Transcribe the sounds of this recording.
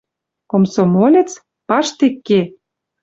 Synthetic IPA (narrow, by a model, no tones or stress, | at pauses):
komsomolʲĕt͡s | pɑʃt̪ekːe